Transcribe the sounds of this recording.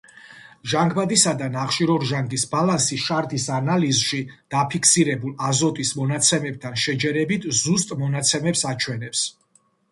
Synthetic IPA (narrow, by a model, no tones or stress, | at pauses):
ʒaŋɡbad̪isad̪anaχʃiɾɔɾʒaŋɡisbalansiʃaɾd̪isanalizʃid̪̥apʰikʰsiɾɛbulˠazɔt̪ʼismɔnat̪sʰɛmɛb̚t̪ʰanʃɛd͡ʒɛɾɛbit̪ʰzust̪ʼmɔnat̪sʰɛmɛpsat͡ʃʰwɛnɛps